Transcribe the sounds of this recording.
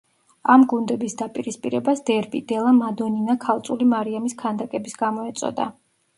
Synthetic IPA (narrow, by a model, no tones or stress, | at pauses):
amɡund̪ɛbisd̪apʼiɾispʼiɾɛbasd̪ɛɾbḭd̪̥ɛlˠamad̪ɔninakʰalˠt̪sʼulimaɾiamiskʰand̪akʼɛbisɡamɔɛt̪sʼɔ̰d̪a̰